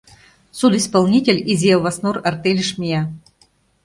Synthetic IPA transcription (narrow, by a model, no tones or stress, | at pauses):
sud̪ispalˠnʲitʲelʲizʲjavasnurərt̪elʲɘʂmʲia